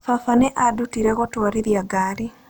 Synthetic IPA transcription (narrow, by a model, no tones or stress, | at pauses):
fafaneʔadutiɾeɣotwaɾiɾjaɡaɾi